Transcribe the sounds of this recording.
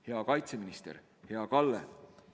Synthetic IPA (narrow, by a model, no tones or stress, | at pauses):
he̞ɑkɑjt̪seminist̪ḛɾ | he̞ɑkɑlːḛ